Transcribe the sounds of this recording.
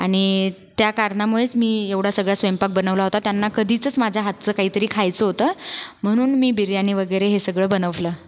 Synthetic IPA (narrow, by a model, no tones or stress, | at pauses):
aɽ̃it̪jakaɾɳamuɭet͡smiːeʋɽ̤asəɡɭjasʋempak̚bənəʋlaɦot̪at̪janːakəd̪ʱit͡səːt͡smad͡ʑʱjaɦat̪̚t͡səːkaɦiːt̪əɾiːkʰajt͡səɦot̪əːm̤əɽ̃uːnmiːbiɾjaniːʋəɡəjɾeɦesəɡɭəːbənəʋləː